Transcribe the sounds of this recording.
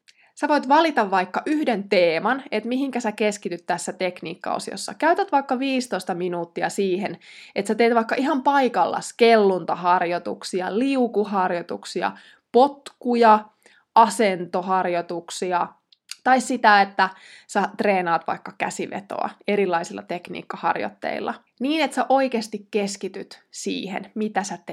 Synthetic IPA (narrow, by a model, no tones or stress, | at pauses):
sæʋoit̪ʋɑlit̪ɑʋːɑikːɑʔyhdent̪eːmɑnet̪miɦiŋkæsækeskit̪yt̪t̪ːæsːæt̪eknḭːkːɑ̰o̰sio̰sːɑ̰kæyt̪æt̪ʋɑikːɑʋiːst̪oist̪ɑminuːt̪ːiɑ̰siːhenet̪sæt̪eːt̪ʋɑikːɑʔiɦɑmpɑikɑlːɑ̰skelːunt̪ɑhɑrjot̪ṵksiɑ̰liukuɦɑrjot̪ṵksiɑ̰ | pot̪kujɑ | ʔɑsent̪ohɑrjot̪uksiɑ | t̪ɑissit̪æet̪ːæ | sæt̪reːnɑːt̪ʋɑ̰ikːɑkæsiʋḛt̪o̰ɑ̰eɾilːɑisilːɑ̰t̪eknḭːkːɑhɑ̰rjo̰t̪ːḛḭlːɑ̰ | niːnet̪sæʔo̞ikeːst̪ikkeskit̪yt̪sḭːhḛnmit̪æsæt̪e